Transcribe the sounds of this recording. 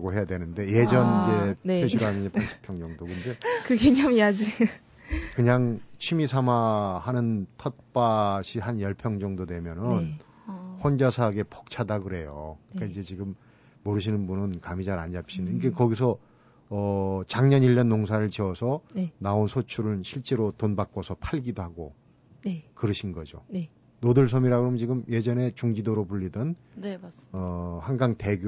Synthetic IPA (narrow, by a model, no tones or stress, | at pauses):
ɡoɦe̞jadwe̞nɯnde̞je̞d͡ʑʌnid͡ʑeiɭɕʰiɾɦanɯnʌpʰanɕʰi̥pʰjʌŋd͡ʑʌŋdokɯnde̞kɯɡeɲamijad͡ʑi | kɯɲaŋt͡ɕʰimisʰamahanɯntʰʌt̚p͈aɕʰiɦanjʌɭpʰjʌŋd͡ʑʌŋdodwe̞mjʌnɯnn | ɸwond͡ʑasʰaɡe̞pʰʌk̚t͡ɕʰadaɡɯɾe̞jo̰kɯik͈aind͡ʑe̞t͡ɕiɡɯmː | oɾɯɕ̬ʰinɯnbunɯnkamid͡ʑaɾand͡ʑap̚ɕ͈ʰiniɡekʌɡis̬ʰʌː | t͡ɕaŋɲʌniʎːʌnːoŋsʰaɾɯɭt͡ɕiʌsʰʌnaonsʰot͡ɕʰuɾɯɭɕʰiɭt͡ɕ͈e̞ɾotonbak͈osʰʌpʰaɭɡidohaɡo | kɯɾɯɕʰinɡʌd͡ʑo̰ | nodɯɭs̬ʰʌmiɾaɡoɾomt͡ɕiɡɯmje̞d͡ʑʌne̞t͡ɕuŋd͡ʑidoɾopuʎːidɯn | ʌhaŋɡaŋte̞ɡ